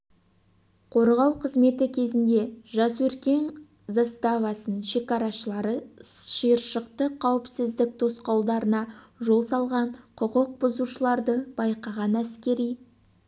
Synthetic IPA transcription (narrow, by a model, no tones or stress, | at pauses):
qʰo̞ɾʁɑwqʰəzme̞t̪ɪkʲʰe̞zɪnd̪e̞ʒɑswɵɾkʲe̞n | zast̪ɑvɑsənʃe̞kɑɾɑʃəɑɾəʃəjəɾʃəq̚t̪əqʰːɑwəpsɪzd̪ɪk̚t̪ʰo̞sqɑwˠd̪ɑɾənɑʒo̞lˠsɑlˠʁɑɴqʰʊqəq̚bʊzuʃəlˠɑɾd̪əbɑjqɑʁɑnæskʲe̞ɾij